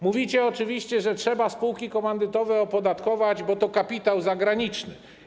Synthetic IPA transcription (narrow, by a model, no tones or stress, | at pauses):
muvʲit͡ɕɛɔt͡ʂɘvʲiɕt͡ɕɛʐɛtʂɛbaspuwkʲikɔmand̪ɘt̪ɔvɛɔpɔd̪at̪kɔvad͡ʑbɔt̪ɔkapʲit̪awzaɡɾaɲit͡ʂnɘ